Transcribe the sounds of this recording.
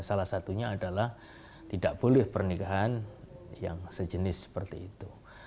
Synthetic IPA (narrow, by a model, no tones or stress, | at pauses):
salahsat̪uɲaːdalah | t̪idaʔb̥olɪhpərnikaɦanja̰ŋsəd͡ʒənɪsːə̥pərt̪iːt̪u